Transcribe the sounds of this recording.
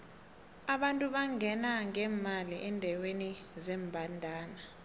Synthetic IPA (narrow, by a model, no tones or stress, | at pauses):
aɓantʼuɓaŋɛnaŋɛːmaliʔɛndʱawenizɛːmbʱandʱaːna